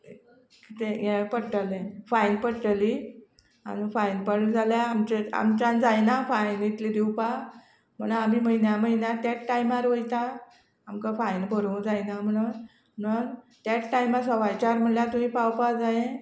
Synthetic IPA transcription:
kit̪ejepəɽʈəlẽfajnpəɽʈəli | a̰ñufajnpəɽld͡zʱaljaamt͡ɕea̰mt͡ɕãnd͡zajnafajnit̪lid̪iwpa | m̤əɽ̃am̤iːməɦinjaməinjat̪jaʈʈajmaɾʋəjt̪a | amkafajnbəɾud͡zajnam̤əɽun | mən | t̪jaʈʈajmasəʋajt͡ɕaɾm̤əɳljat̪umĩːpawpad͡zaẽ

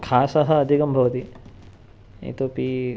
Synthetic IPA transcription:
kʰaːsɐɦɐ̆ːd̪ʱikɐmbʱɐʋɐt̪i | ḭt̪oːpi

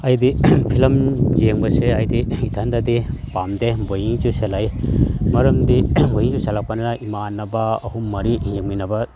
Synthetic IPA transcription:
ajd̪ipʰilɐmd͡ʒeŋbɐseajd̪iit̪ʰɐnd̪ad̪ipamd̪ebojiŋt͡ʃuselajmɐɾɐmd̪ibojiŋd͡ʒusɐlak̚pananaʔimanːɐbaɐhumɐɾijeminɐbɐ

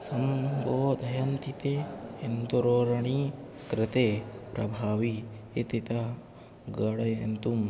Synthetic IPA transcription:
sɐmboːd̪ʱɐjɐnt̪it̪eent̪uɾoːɾɐɳi | kɾɪt̪epɾɐbʱaːʋi | et̪it̪ɐ | ɡɐɽɐjḛnt̪um

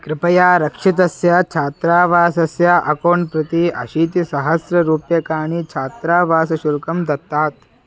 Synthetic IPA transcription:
kɾɪpɐjaːɾɐkʂit̪̬ɐsjaːt͡ʃʰaːt̪ɾaːʋaːsɐsjaʔɐkoːɳpɾɐt̪iːɐ̰ʃiːt̪isɐɦɐsɾɐɾuːpjɐkaːɳ̃iːt͡ʃʰaːt̪ɾaːʋaːsɐʃuɾkɐmd̪ɐt̪ːaːt̪

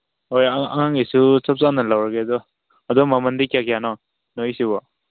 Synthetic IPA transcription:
hojaa̰ŋaŋisusɔp̚sanːalawɾaɡed̪ɔ | ad̪ɔmamɐndikjakijanɔ | nɔjsibɔ

